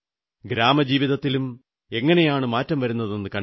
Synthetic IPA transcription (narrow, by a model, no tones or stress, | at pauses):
ɡɾaːmɐd͡ʑiːʋiðɐt̪ːilum | e̞ŋːɐne̞jaːɳɨmaːtːɐmʋɐɾunːɐðɨnenːɨkɐɳ